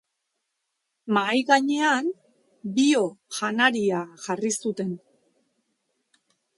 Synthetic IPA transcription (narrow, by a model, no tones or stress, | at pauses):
majɣaɲe̞an | bio̞ʝanaɾiaʝarisut̪e̞n